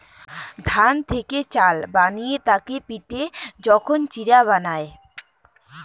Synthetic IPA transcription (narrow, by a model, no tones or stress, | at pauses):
d̪ʱant̪ʰeket͡ɕalbanijet̪akepiʈed͡ʑɔkʰont͡ɕiɾaβanae